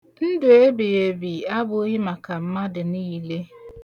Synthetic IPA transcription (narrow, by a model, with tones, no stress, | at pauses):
n̩˦dʊ˨e˦bi˨e˨bi˨a˦bʊ˦o˦ɲi˦ma˨ka˨m̩˦ma˦dɪ˨niː˦le˦